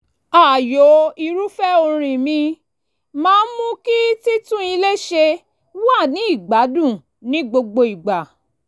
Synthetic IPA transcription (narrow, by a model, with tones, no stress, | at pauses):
a˨jo˨˦i˧ɾu˦fɛ˦o˧ɾ̃ĩ˨mĩ˧ | mãː˦mũ˦ki˦ti˦tũ˦i˧le˦ʃe˧ | wa˦˨nĩ˨˦i˦˨ɡ͡ba˨˦dũ˦˨ | nĩ˨˦ɡ͡bo˧ɡ͡bo˧i˨ɡ͡ba˨